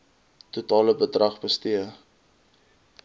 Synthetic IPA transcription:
tutɑːləbədrɐχbəstiə

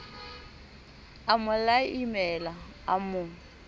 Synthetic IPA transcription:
amʊlaimɛla | amʊ

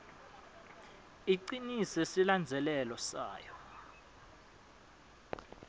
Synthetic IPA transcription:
iǀinisesiland͡zʱɛlɛlɔsa̰ːjɔ

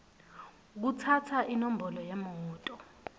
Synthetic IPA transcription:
k̬utʰatʰaʔinom̩bɔlɔjɛmɔuːtʼɔ

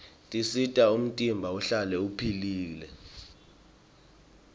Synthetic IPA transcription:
tʼisitʼaum̩tʼimbʱauɬalɛupʰiliːlɛ

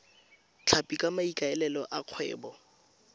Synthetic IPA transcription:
t͡ɬʰapʼikʼamaikʼaɛlɛlɔʔaq͡χʰwɛ̰ːbɔ

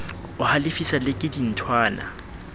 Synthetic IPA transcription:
ʊhalɪfisalɪkʼɪdin̩tʰwaːna̰

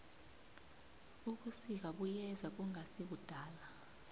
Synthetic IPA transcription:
uk̬usik̬aɓujɛzak̬uŋasiɓud̥ʱaːla

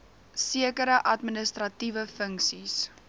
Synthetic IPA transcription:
siəkəɾəʔɐtminəstrɐtivəfəŋksis

